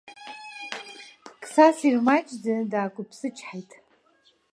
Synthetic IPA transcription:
kʼsasirmat͡ʃʼdadaːkʷʼʊpʰsɨt͡ʃʰʼħajtʼ

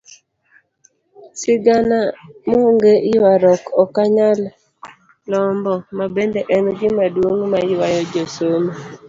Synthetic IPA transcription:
sɪɡanamoŋɡeʔɪwaɾɔkɔkaɲal | lɔmbɔmabendeʔɛnɔɡɪmadwoŋmaɪwajɔd͡ʒosoma

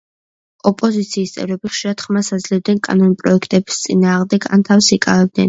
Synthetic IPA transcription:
ɔpʼɔzit̪sʰiːst̪sʼɛ̰vɾɛbiχʃiɾad̪̥χmasad̪zlɛbd̪nɛnkʼa̰nɔnpʼɾɔɛkʰt̪ʼɛbi̥st̪sʼinaːʁmd̪ɛɡa̰nt̪ʰafsikʼavɛb̚d̪nɛn

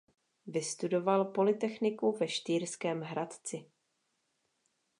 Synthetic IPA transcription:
vɪst̪udo̞valpo̞lɪt̪ɛxnɪkuvɛʃt̪iːɾskɛːmɦɾat̪t͡sɪ

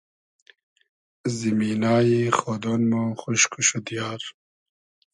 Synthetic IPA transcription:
zimiːnaːjixod̪onmoxuʃkʰuɕud̪ijaːɾ

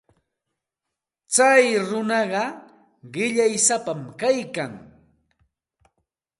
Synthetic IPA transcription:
t͡sajɾʊnɑɢɑ | ɢɪʎajsapamkajkaŋ

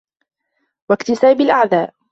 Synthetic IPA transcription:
wakt̪ɪsaːbɪlʔaʕðaːʔ

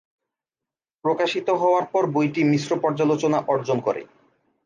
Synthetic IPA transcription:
pɾokaʃit̪oɦɔoaɾpɔɾbojʈimisɾopɔɾd͡ʑalot͡ɕonaʔɔɾd͡ʑonkɔ̰ɾḛ

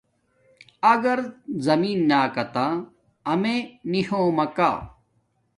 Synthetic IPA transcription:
ɐɡɐɾzɐmiːnːaːkɐt̪ãː | ɐmenihõːmɐka̰ː

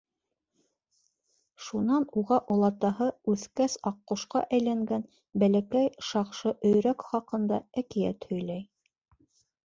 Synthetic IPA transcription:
ʃunɑnuʁɑʔŏlˠɑt̪ɑɦɤʉθkæsɑqːŏʃqɑ̰ʔæjlæŋɡæn | bælækæjʃɑqʃɤʔɵ̆jɾækχɑqɤ̆nd̪ɑækijæt̪hɵ̆jlæj

